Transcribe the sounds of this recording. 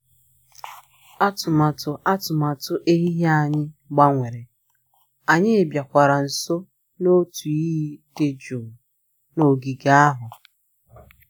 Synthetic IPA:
a˦tʊ˨ma˨tʊ˨a˦tʊ˨ma˨tʊ˦ʔe˦ɦi˦ɦa˨ɲɪ˦ɡ͡ba˦ŋʷe˨ɾe˨ | a˨ɲɪ˦e˨bja˨kʷa˨ɾa˨n̩˨so˦ | no˦tu˨i˦ɦi˦te˦d͡ʒo˨ | no˨ɡi˨ɡa˦a˦ɦʊ˨

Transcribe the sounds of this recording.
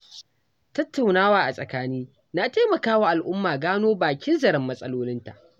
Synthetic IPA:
tɐ˦tːa˨wnaː˦waː˦ʔa˨sʼɐ˨kaː˦niː˦ | na˦ta˦mɐ˨kaː˦waː˦ʔa˨lʔʊ˦mːaː˨ɡaː˦noː˦baː˨kʲɪ˦nzɐ˨ɾɪ˦mːɐ˦sʼɐ˦loː˦lɪ˦nta̰˨ʔ

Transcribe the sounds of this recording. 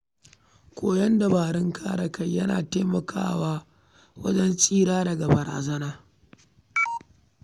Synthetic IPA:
kʷʰoː˦jɐ˦nda˨baː˨ɽɪ˦ŋkʰaː˦ɾɐ˨kɐ˦jjɐ˦na̰ː˨teː˦mɐ˨kʰa̰ː˦waː˦ | wɐ̰˦d͡ʒɛ˦nsʼiː˦ɾaː˦dɐ˨ɡa˨bɐ˨ɾa̰ː˨zɐ˦naː˦

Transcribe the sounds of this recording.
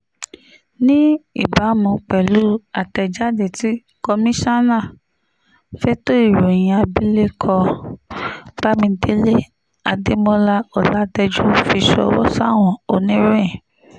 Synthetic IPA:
nĩ˦ḭ˦˨ba˨˦mũ˧k͡pɛ˨lu˨˦a˨tɛ˨˧d͡ʒa˦de˨ti˨˦ | kɔ˧mĩ˦ʃa˦nã˦˨ | fɛ˦to˦i˦˨ɾo˨j̃ĩ˧a˧bi˦le˦kʰɔ˧ | b̥a˦mĩ˧˦te˦le˦ | a˧de˦mɔ̃˦la˦ɔ˨la˦dɛ˧d͡ʒu˦fi˧ʃɔ̰˧wɔ̰˦sa˦˨w̃ɔ̃˨o˨nĩ˦ɾẽ˦˨

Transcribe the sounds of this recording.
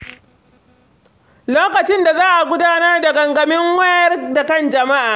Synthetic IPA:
loː˦kɐ˨t͡ʃɪ˦nda˨zaː˦ʔa˨ɡʷʊ˦daː˦nɐ˦rda˨ɡɐ˨ŋɡɐ˨mɪ˦ŋwɐ˦jɐ˦rda˨kɐ˦˨nd͡ʒɐ˨ma˦ʔaː˨

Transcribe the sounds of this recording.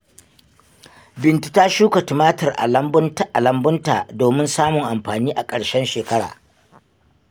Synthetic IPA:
bɪ˨ntu̥˨ta˦ʃuː˦ka˨tu˨maː˦tɐ˨rʔa̰˨lɐ˦mbntʔa˨lɐ˦mbʊ˦nta̰˨doː˨mɪ˦nsaː˦mʊ˨ŋʔa˨mɸaː˨niː˦ʔa˨kʼɐ˨ɽʃɛ˦nʃeː˨kɐ˦ɽa̰ː˨

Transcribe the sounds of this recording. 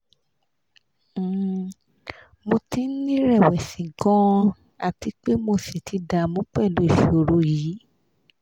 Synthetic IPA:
mo˧ti˦nĩ˦ɾɛ˦˨wɛ˨sĩ˨ɡɔ̃˦ | a˨ti˨˦k͡pe˦mo˧se˨tʰi˨˧˦da˧˨mũ˨˦k͡pɛ˦˨lu˨˦i˦˨ʃo˨ɾo˧˦jiː˨˦

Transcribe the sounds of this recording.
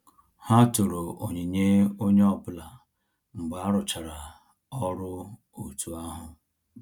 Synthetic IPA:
ha˦tʊ˨ɾo˨ʔo˨ɲe˨ɲe˦o˦ɲe˦ɔ˦pʊ˦la˨ | m̩˨ɡ͡ba˦ɾʊ˨t͡ʃa˨ɾa˨ | ɔ˦ɾʊ˦ | o˨tu˦a˦ɦʊ˨

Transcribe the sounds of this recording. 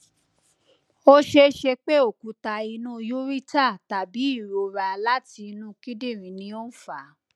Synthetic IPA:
o˦ʃe˧ʃe˧k͡pe˦o˦˨ku˨ta˨i˧nũ˦˧ju˦ɾi˦ta˦˨ta˨bi˨˦i˦˨ɾo˨ɾa˧la˦ti˧nũ˦ki˦de˦˨ɾĩ˨nĩ˧˦o˦n̩˦˨fa˨˦

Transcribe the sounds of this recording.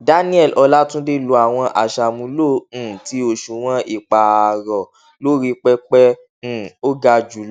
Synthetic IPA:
da˦nĩ˦ɛ˦˨lʔɔ˧la˦tũ˦de˦˨lo˨˧˦a˨w̃ɔ̃˧ʔa̰˨ʃa˧˨mũ˧˦lõ˦˨ti˧˦o˧ʃu˨w̃ɔ̃˦i˦˨k͡pa˨ɾɔ˨ | lo˦ɾi˧k͡pɛ˦k͡pɛ̃˦˨ | o˦ɡa˧d͡ʒu˨˦

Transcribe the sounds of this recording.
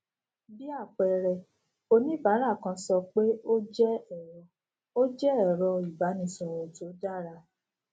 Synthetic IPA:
bi˦a˦˨k͡pɛ˧˨ɾɛ˧ | o˧nĩ˦ba˨˦ɾa˦˨kã˧sɔ˧k͡pe˦o˦d͡ʒɛ˦ɛ˦˨ɾɔ˧˨ | o˦d͡ʒɛ˦ɛ˦˨ɾɔ˧i˨ba˨˦nĩ˧˨sɔ̃˨˧wɔ˨to˨˦da˦˨ɾa˧

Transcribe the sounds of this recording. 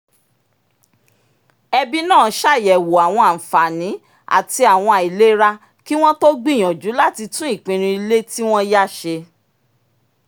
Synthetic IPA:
ɛ˧bi˦nãː˦˨˧ʃa˦˨jɛ˨wo˨a˨w̃ɔ̃˧a˨fa˨nĩ˨˦ | a̰˨ti˧a˨w̃ɔ̃˧a˨i˨le˦ɾa˦ | ki˦w̃ɔ̃˦to˦ɡ͡bĩ˦˨j̃ɔ̃˨d͡ʒu˨˦la˦˨ti˧tũ˦i˦˨k͡pĩ˧ɾ̃ĩ˧i˧le˦ti˦w̃ɔ̃˦ja˦˨ʃe˧

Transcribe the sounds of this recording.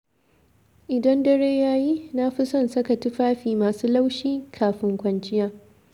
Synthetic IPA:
ʔɪ˨dɐ˦ndɐ˦ɽeː˦jaː˦ji˦na˦ɸɪ˦sɐ˦˨nsɐ˦ka˨tɪ˦ɸaː˦ɸiː˨maː˨suː˦la˦wʃiː˦kʰaː˨ɸɪ˦ŋkʷɐ˨nt͡ʃɪ˦jaː˦

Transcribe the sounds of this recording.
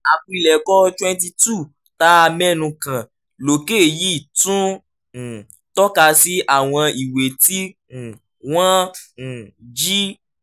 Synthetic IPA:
a˨k͡pũ˦i˧˨lɛ˨kɔ˦twɛ̃˦n˦t̬i˧tu˦˨ | ta˦a˧mɛ̃˦nũ˧kã˨ | lo˨ke˦˨ji˦˨tũ˦˨ | tɔ˦ka˧si˦ʔa˦˨w̃ɔ̃˧i˨we˨tĩ˦˨ | wã˦˨ | d͡ʒi˦

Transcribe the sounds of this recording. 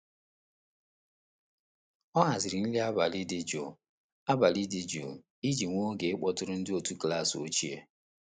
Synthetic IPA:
ɔ˦ɦa˨zɪ˨ɾɪ˨n̩˦li˦a˦ba˨lɪ˦dɪ˦d͡ʒu˨ | a˦ba˨li˦dɪ˦d͡ʒṵ˨ | i˦d͡ʒi˨ŋʷo˦ɡe˨ɪ˦k͡pɔ˦tʊ˦ɾʊ˦n̩˦dɪ˦o˨tu˦kla˦˨so̰˦t͡ʃi˦ḛ˦

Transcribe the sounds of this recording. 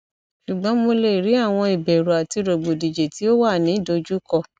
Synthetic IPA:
ʃu˨ɡ͡bɔ̃˨˦mo˧le˧˨ɾi˨˦a˦˨w̃ɔ̃˧i˨bɛ˨ɾu˨a˨ti˧ɾo˨ɡ͡bo˨di˨d͡ʒe˨ti˨˦o˦wa˦˨nĩ˨˦˨do˨˧d͡ʒu˦kɔ˦˧˨

